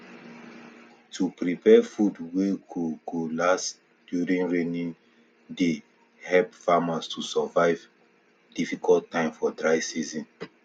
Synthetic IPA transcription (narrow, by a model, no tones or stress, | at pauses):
tʰupɹipʰɛfudweɡoɡ̥olast | d̥juɹĩŋɹẽnĩn | de | hɛlpfamastʰusɔvaɪv | difikʰɔlttãɪ̃mfɔdɹaɪsizĩn